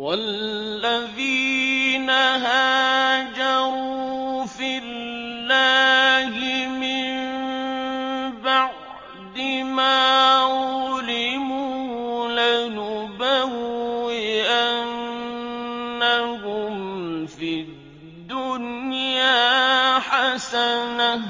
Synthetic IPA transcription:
walːaðiːnaɦaːd͡ʒɑɾuuːfɪlːaːhɪmɪm | baʕʕ | d̪ɪmaː | ʊlɪmuːlanʊbaɣɪʔan | akʊmfi | d̪ːʊnjaːħasana

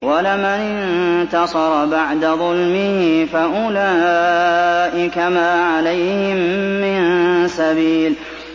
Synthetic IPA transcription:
walɪmanɪnt̪ɑsˤɑɾˤɑbaʕd̪aðˤʊlmɪhifaʔʊla | ʔɪkamaːʕalajhɪmːɪnsabiːl

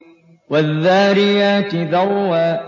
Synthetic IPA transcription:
waðːaːɾɪjaːt̪ɪðawːaː

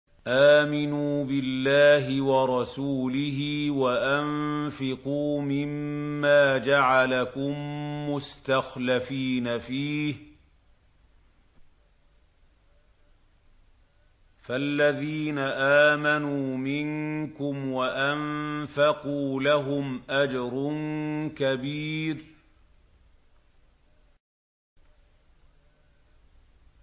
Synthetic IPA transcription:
ʔaːmɪnuːbɪlːaːɦɪwɑɾˤɑsuːlɪhɪːwaʔanfɪquːmɪmːaːd͡ʒaʕalakʊmːʊst̪axlafiːnafiːh | falːaðiːnaʔaːmanuːmɪŋkʊmwaʔanfɑquːlaɦʊmʔad͡ʒɾʊnkabiːɾ

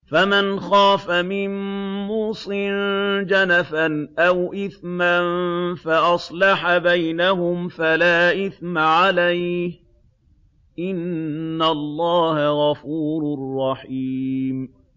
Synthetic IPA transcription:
famanxaːfamɪmːuːsˤɨnd͡ʒanafanʔawʔɪθmanfaʔɑsˤlɑħabajnaɦʊmfalaːʔɪθmaʕalajh | ʔɪnːalˤːɑːhaɣɑfuːɾʊrˤːɑħiːm

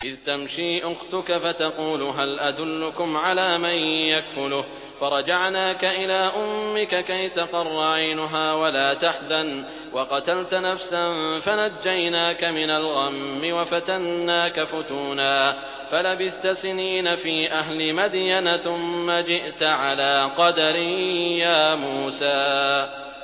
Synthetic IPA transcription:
ʔɪðt̪amʃiːʔʊxt̪ʊkafat̪ɑquːlʊɦalʔad̪ʊlːʊkʊmʕalaːmanjakfʊlʊh | fɑɾˤɑd͡ʒaʕnaːkaʔɪlaːʔʊmːɪkakajt̪aqɑrˤːɑʕajnʊɦaːwalaːt̪aħzan | wɑqɑt̪alt̪nafsanfanad͡ʒːajnaːkamɪnalɣamːɪwafat̪anːaːkafʊt̪uːnaː | falabɪθt̪asɪniːnafiːʔaɦlɪmad̪janaθʊmːad͡ʒɪʔt̪ʕalaːqɑd̪aɾɪjaːmuːsaː

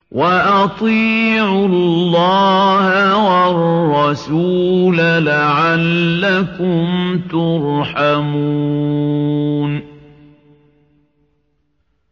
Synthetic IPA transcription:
wʔaʔɑt̪ˤiːʕʊllːɑːhawɑrːɑsuːlalaʕalːakʊmt̪ʊɾħamuː | n

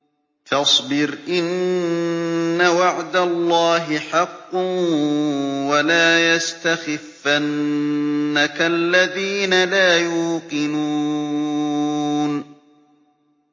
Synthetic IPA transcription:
fɑsˤbɪɾʔɪn | awaʕd̪alˤːɑːɦɪħɑqː | walaːjast̪axɪfːanː | akaʔlːaðiːnalaːjuːqɪnuː | n

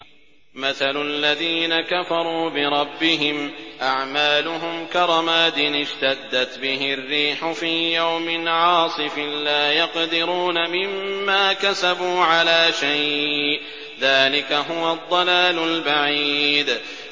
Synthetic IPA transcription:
maθalʊʔalːaðiːnakafɑɾˤuːbɪɾˤɑbːɪɦɪmʔaʕmaːlʊɦʊmkɑɾˤɑmaːd̪ɪnɪʃt̪ad̪ːat̪bɪɦɪrːiːħʊfiːjawmɪnʕɑːsˤɨfɪnlaːjɑqd̪ɪɾuːnamɪmːaːkasabuːʕalaːʃajʔʔ | ðaːlɪkaɦʊwad̪ˤːɑlaːlʊlbaʕiːd̪

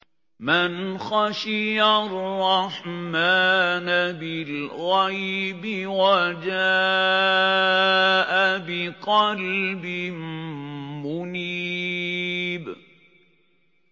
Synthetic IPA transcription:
mɪnxaʃɪjarːɑħmaːnbɪlɣajbɪwad͡ʒa | ʔabɪqɑlbɪm | mʊniː | b

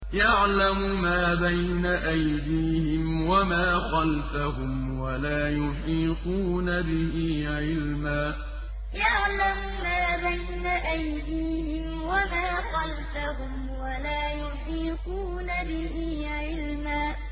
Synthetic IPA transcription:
jaʕlamʊmaːbajnaʔajd̪iːhɪmwamaːxɑlfaɦʊm | walaːjʊħiːquːnabɪhiːʕɪlmaː | jaʕlam | maːbajnaʔajd̪iːhɪm | wamaːxɑlfaɦʊm | walaːjʊħiːquːnabɪhiː | ʕɪlmaː

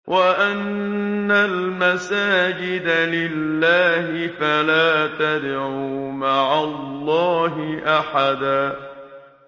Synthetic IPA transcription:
wʔaʔanː | almasaːd͡ʒɪd̪alɪlːaːhɪfalaːt̪ad̪ʕʕumaʕallˤːɑːɦɪʔaħad̪aː

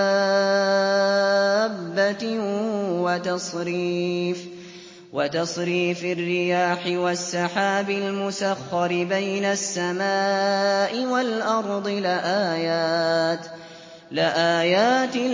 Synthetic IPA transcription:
a | bːa | wat̪ɑsˤɾiːf | wat̪ɑsˤɾiːfɪrːɪjaːħɪwasːɑħaːbɪlmʊsaxːɑɾɪbajnasːamaːʔɪwalʔɑɾˤd̪ˤɨlɪʔaːjaːt̪ | lɪʔaːjaːt̪ɪ

